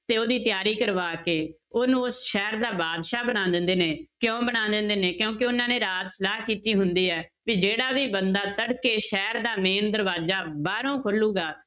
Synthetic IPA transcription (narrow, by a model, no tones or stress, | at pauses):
t̪eːoːd̪iːt̪ɪjaːɾiːkəɾʋaːkeː | oːnũːʊsʃɛːɾd̪aːbaːd̪ʃaːbəɽ̃ãːnd̪ɪnd̪eːneːkjõːbəɽ̃ãːnd̪ɪnd̪eːneːkjõːkeʊnãːneːɾaːt̪səlaːɦkiːt̪iːɦʊnd̪iːɛː | ʋiːd͡ʒeːɽaːʋiːbənd̪aːt̪əɽkeːʃɛːɾd̪aːmeːnd̪əɾʋaːd͡ʒaːbaːɾõːkʰʊluːɡaː